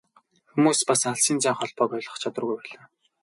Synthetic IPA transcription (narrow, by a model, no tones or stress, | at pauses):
xumuːspasŋaɮsiːnt͡sæːŋχɔɮpɔːpɔɮə̆χt͡ɕʰat̪ə̆rɣujpæːɮaː